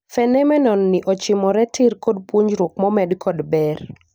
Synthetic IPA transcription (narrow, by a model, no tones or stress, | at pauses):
fɛnɛmɛnɔnːɪʔɔt͡ʃɪmɔɾɛtʰɪrkodpwoɲd͡ʒɾokmɔmɛdkʰɔdbɛr